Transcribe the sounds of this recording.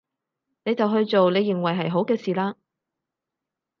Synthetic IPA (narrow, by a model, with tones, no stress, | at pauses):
ne˨˧jt͡sɐ˨wɦɵ˧ɥt͡so˨wne˨˧jːɪ˨ŋwɐ˨jɦɐ˨jɦo˨˥wkɛː˧siː˨laː˧